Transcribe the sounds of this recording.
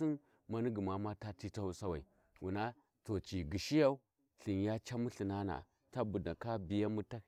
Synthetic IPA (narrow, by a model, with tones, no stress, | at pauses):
i˦n | ma˦ni˦ɡi˨ma˨ma˦ta˦ti˦ta˦wu˦sa˦wa˨i˨ | wṵ˨na˦ | to˨t͡ʃi˨ɡi˨ʃi˦ja˦u˦ | ɬi˨n˨ja˦t͡ʃa˦mu˦ɬi˨na˦na̰˨ | ta˦bu˨da˨ka˦bi˨ja˦mu˦ta˦